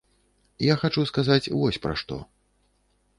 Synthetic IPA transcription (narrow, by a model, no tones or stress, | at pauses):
jaxat͡ʂuskazat͡sʲvɔsʲpɾa̰ʂt̪ɔ̰